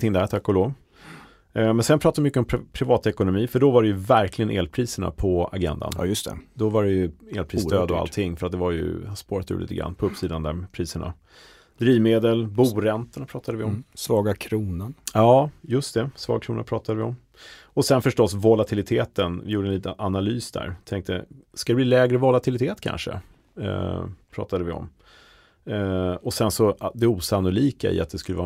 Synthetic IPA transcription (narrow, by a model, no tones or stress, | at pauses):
t̪ɪŋd̪æɾt̪ʰɛkːɔloːv | mɛnsɛnpʰɾɑt̪advɪmʏkːəɔmpʰɾɪvɑːt̪ɛkʊnʊmiːfœɖɔvaɖɛjɵvæɾklɪɡənʔḛːlpʰɾiːsəɳa̰pʰɔa̰ɡɛ̰nd̪a̰n̰ːjɵst̪ʰɛ̰d̪ɔvaɾɛjɵeːlpʰɾist̪øːd̪ɔa̰lt̪ʰːɪŋːfœɾat̪̚d̪ɛvaɾjɵ̰aspoːɾat̪ʉ̰ɾlḭːt̪əɡɾa̰nːpʰɔɵpːsiːd̪and̪æpʰɾiːsəɳa̰ | d̪ɾiːvmeːd̪əlbuːɾɛnt̪əɳapʰɾɑːt̪ʰad̪əvɪɔmsvɑːɡakʰɾuːnənjɑːjɵst̪d̪ɛsvɑ̰ːɡ̚kʰɾuːna̰pʰɾɑːt̪ad̪əvɪɔm | ɔsɛnfœʂʈɔsvɔlat̪ʰɪlɪt̪ʰeːt̪ənvɪjuːɖəɛnliːt̪əanalyːsd̪æ̰ɾt̪ʰɛŋk̚t̪əskad̪ɛbliːlɛːɡɾəvɔlat̪ʰɪlɪt̪ʰeːt̪kʰa̰nʂə̰ | pʰɾɑ̰ːt̪ad̪əvɪɔ̰m | ɔsɛnsɔd̪ɛuːsanːʊliːka̰ɪ̰a̰t̪̚d̪ɛskɵlːəvɑː